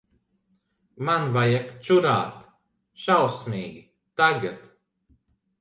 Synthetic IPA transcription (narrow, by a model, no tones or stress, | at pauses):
manvajakt͡ʃuɾa̰ːt̪ | ʃawsmʲiːɡi | t̪aɡat̪